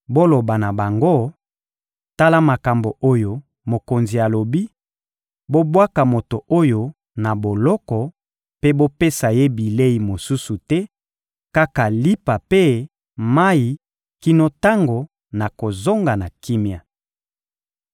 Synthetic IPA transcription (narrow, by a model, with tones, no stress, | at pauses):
bo˦lo˨ba˨na˨ba˨ŋɡo˦ | ta˦la˦ma˨ka˨mbo˨ʔo˦jo˨ | mo˨ko˨nzi˨ja˨lo˨bi˦ | bo˦bwa˦ka˨mo˨to˨ʔo˦jo˨ | na˨bo˨lɔ˦kɔ˨ | pe˦bo˦pe˦sa˨je˦bi˨le˦i˨mo˨su˦su˨tɛ˦ | ka˦ka˨li˦pa˨pe˦ | ma˦i˨ | ki˦no˦ta˦ŋɡo˨ | na˨ko˨zo˦ŋɡa˨na˨ki˦mja˨